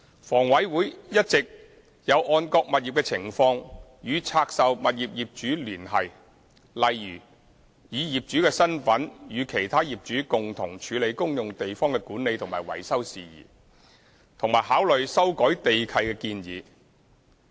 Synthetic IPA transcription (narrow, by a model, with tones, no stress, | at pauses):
fɔː˨˩ŋwɐ˨˥jwuː˨˥jjɐ˥t̚t͡sɪ˨k̚ | jɐ˨˧wʔɔː˧nkɔː˧k̚mɐ˨t̚jiː˨p̚kɛː˧t͡sʰɪ˨˩ŋfɔː˧ŋjyː˨˧t͡sʰaː˧k̚sɐ˨wmɐ˨t̚jiː˨p̚jiː˨p̚t͡ʃyː˨˥lyː˨˩nɦɐ˨j | lɐ˨jjyː˨˩ | jiː˨˧jiː˨p̚t͡ʃyː˨˥kɛː˧sɐ˥nfɐ˨˥njyː˨˧kʰe˨˩jt̪ʰaː˥jiː˨p̚t͡ʃyː˨˥kʊ˨ŋt̪ʰʊ˨˩ŋt͡ʃʰyː˨˧le˨˧jkʊ˥ŋjʊ˨ŋt̪e˨jfɔː˥ŋkɛː˧kuː˨˥nːe˨˧jt̪ʰʊ˨˩ŋmaː˨˩jwɐ̰˨˩jsɐ˥wsiː˨jḭː˨˩ | t̪ʰʊ˨˩ŋmaː˨˩jɦaː˨˥wlɵ˨ɥsɐ˥wkɔː˨˥jt̪e˨jkʰɐ˧jkɛː˧kiː˧njḭː˨˧